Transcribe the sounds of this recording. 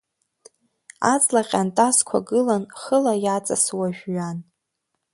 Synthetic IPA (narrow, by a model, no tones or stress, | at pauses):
at͡sʼlaqʲʼantʼazkʷʰa̰ɡɨlanχəlajat͡sʼaswaʒᶣɥan